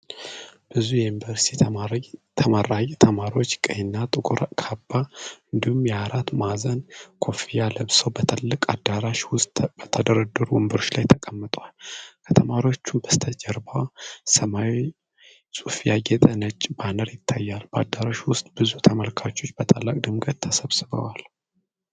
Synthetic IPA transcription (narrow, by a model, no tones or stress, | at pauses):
b̥ɨzujɛmbəɾst̪ʰi | t̪ʰəmaɾajt̪ʰəmaɾiwo̞t͡ʃːkʼənːat̪ʼɨɡʼɾkʰabːaɨnd̪ihumjɛaɾat̪mazənkʰo̞fijaləβsəwbət̪ʰɨlːɨkʼad̪aɾaʃwʊst̪bət̪ʰəd̪əɾəd̪ɨɾwɔmbəɾo̞t͡ʃːlajt̪ʰəkʼəmːət̪ʼwalkʰət̪ʰəmaɾiwo̞t͡ʃːunbəst̪ʰəd͡ʒəɾbawasəmawi | sʼufijaɡɛt̪ʼənət͡ʃʼːbanəɾjɪt̪ʰːajːalbəad̪ːaɾaʃwʊst̪ʼbɨzut̪ʰəməlkʰat͡ʃːo̞t͡ʃːbət̪ʰʼalːakʼd̪ɨmɡət̪t̪ʰːəsəβsɨβə̰wal